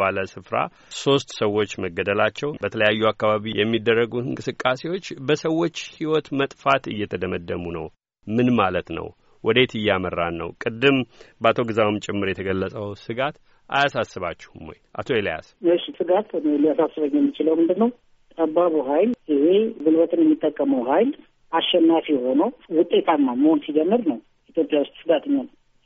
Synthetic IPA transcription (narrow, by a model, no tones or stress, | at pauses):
aləsɨfɾa̰ | so̞st̪səwːo̞t͡ʃːməɡːəd̪əlat͡ʃːɛwbət̪ʰələjajːuakːaβaβijɛmːid̪ːərːəɡuɨŋkʼɨsɨkʼːase̞wo̞t͡ʃːbəsəwːo̞t͡ʃːhiwɔt̪mət̪ʼfat̪ɨjːɛt̪ʰəd̪əməd̪ːəmunəw | mɨnmalət̪nə̰w | wʔɔd̪et̪ʰɨjːamərːanːə̰wkʼɨd̪ːɨmbat̪ʰo̞ɡɨzawɨmt͡ʃʼɪmːɨɾjɛt̪ʰəɡəlːəsʼəwsɨɡat̪ | a̰jasasːɨβat͡ʃːɛ̥humojʔa̰t̪ʰo̞elija̰sɨʃsɨɡat̪nelijasasːɨβəɲːjɛmːit͡ʃɪləwmɨnd̪ɨnːəw | t̪ʼəbːaβuɦajlɪhe̞zɨlbət̪ɨnjɛmːit̪ʼːəkʼːəməwɦajl | ʔaʃːɛnːafiho̞nəwwʊt̪ʼːe̞t̪ʰamːaməhonsid͡ʒɛmːɨɾnəw | it̪ʰjo̞pʼjawʊst̪ʼsɨɡat̪ɨnːan